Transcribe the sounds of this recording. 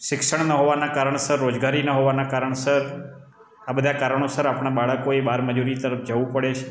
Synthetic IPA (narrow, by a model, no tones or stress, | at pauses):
ʃɪkʃəɳnəɦoʋanakaɾəɳsəɾːod͡ʒɡaɾinəɦoʋanakaɾəɳ̃səɾ | abəd̪ʱakaɾəɳ̃osəɾapɳ̃abaɭəkoebaɾməd͡ʒuɾit̪əɾəfʰd͡ʒəʋũpəɭet͡ʃʰ